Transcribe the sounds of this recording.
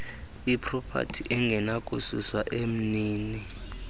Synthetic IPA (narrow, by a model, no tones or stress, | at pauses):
ipʰʼrɔpʰa̰tʰiʔɛŋɡʱɛnakʼususwaʔem̩niːni